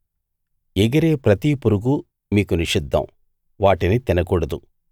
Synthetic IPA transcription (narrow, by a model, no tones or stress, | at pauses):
ɛɡɐɾeːpɾɐt̪ipuɾuɡu | miːkuniʂid̪ʱːɐ̰m | ʋaːʈinit̪inɐkuːɽɐd̪u